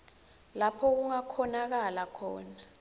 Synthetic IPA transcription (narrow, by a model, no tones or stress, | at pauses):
lapʰɔk̬uŋakʰɔnak̬alakʰɔ̰ːna